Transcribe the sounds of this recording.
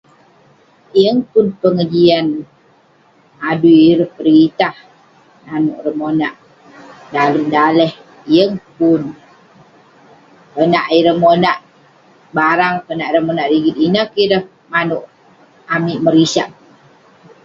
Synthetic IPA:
ijəŋpʊnpəŋəd͡ʒian | aduiɾəhpəɾit̪ah | nanoʔrəmonaʔ | daləmdalɛh | ijəŋpʊn | pənaʔiɾəmonaʔ | baɾaŋpənaʔɾəmonaʔɾiɡit̪̚inəkiɾəh | manoʔ | amiʔməɾisaʔ

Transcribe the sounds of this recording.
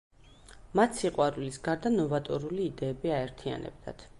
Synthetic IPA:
mat̪ʰsiqʼwaɾulisɡaɾd̪anɔvat̪ʼɔɾuliːd̪ɛːbiaɛɾt̪ʰia̰nɛ̰b̚d̪a̰t̪ʰ

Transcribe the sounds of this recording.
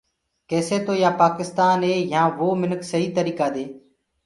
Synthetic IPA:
keːseːt̪oːjaːpaːkɪst̪aːnɦeːjãːʋoːmɪnəksəɦiːt̪əɾiːkaːd̪eː

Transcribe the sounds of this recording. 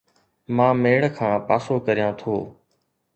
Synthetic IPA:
mãːmeːɭkʰãːpa̰ːsoːkəɾijãːt̪ʰoː

